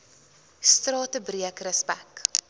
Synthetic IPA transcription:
strɑːtəbriəkrəspæk

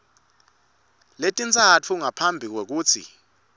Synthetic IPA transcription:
letʼint͡sʼat͡fʰuŋapʰambʱik̬wek̬uːt͡sʰḭ

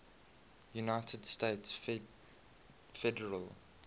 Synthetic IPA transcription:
junaɪtʰədsteɪts | fɛdəɹəl

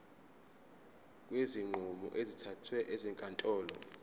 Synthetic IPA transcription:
k̬ʼweziŋ͡ǃʱumɔ̰ʔezitʰatʰwɛʔɛzɛŋkʼantʼɔːlɔ̰

